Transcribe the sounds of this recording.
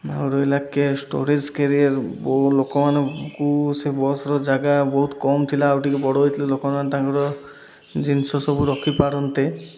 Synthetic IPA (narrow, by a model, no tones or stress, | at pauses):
a̰ɾɔelakesʈo̰ɾid͡ʒkeɾiaɾblokɔmanekusebɔsɔɾɔd͡ʒaɡabɔɦut̪kɔmt̪ʰilaːwʈikebɔɽɔɦojt̪ʰilelokɔmanmanet̪akɔɾɔ | d͡ʒinsɔsɔbuɾɔkʰipaɾɔnt̪e